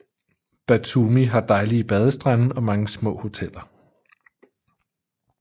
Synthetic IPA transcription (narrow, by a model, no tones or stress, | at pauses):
b̥æt͡sʰumiɦɑ̈d̥ɑ̈ɪlib̥ɛð̞ˠəsd̥ʁanɒ̽mɑ̈ŋəsmɔ̰̽ːho̝t͡sʰel̰ɐ